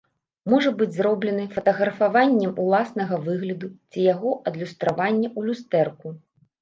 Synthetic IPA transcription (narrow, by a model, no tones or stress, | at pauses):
mɔʐɐbɨd͡zʲzɾɔblʲɛnɨfɐt̪ɐɣɾɐfavanʲːɛmulˠasnɐɣɐvɨɣlʲɐd̪ut͡sʲijaɣɔʔɐd̪lʲust̪ɾavanʲːɐulʲust̪ɛrku